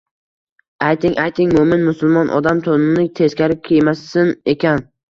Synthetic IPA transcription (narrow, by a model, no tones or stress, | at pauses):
ajt̪ʰɪŋʔajt̪ʰɪŋmʊmɪnmʊsʊlˠmɒnʔɒ̰d̪amt̪ʰonɪnɪt̪ʰe̞zkʲaɾɪp̚kʲʰejmasːɪne̞kʲʰan